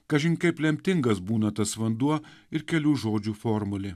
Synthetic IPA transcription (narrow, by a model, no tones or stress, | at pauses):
kɐʒʲɪŋʲkɐɪplʲɛmʲt̪ʲɪŋɡɐsbuːnɐt̪ɐsʋɐnd̪uɔɪɾkʲɛlʲuːʒoːd͡ʒʲuːfoːɾmʊlʲɪ